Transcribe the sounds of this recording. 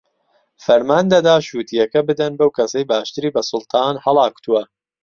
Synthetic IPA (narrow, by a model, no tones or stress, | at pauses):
fɐɾmaːnd̪ɐd̪aːʃuːt̪ʰijɐkɐbɨd̪ɐnbɐwkʰɐsɐjbaːʃt̪ɨɾiːbɐsʊlˠt̪ʰɑːnhɐlˠɑːku̥t̪ʰuwɐ